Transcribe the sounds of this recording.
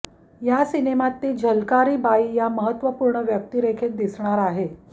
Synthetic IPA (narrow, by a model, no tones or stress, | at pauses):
jasinemat̪ːiːd͡ʑʱəlkaɾiːbaiːjaməɦət̪ːʋəpuːɾɳəʋjək̚t̪iːɾekʰet̪̚d̪isɳaɾaɦe